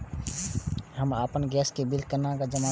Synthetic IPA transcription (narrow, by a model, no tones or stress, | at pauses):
həma̰ːpənɡɛːskebɪlkəɾnakad͡ʒəma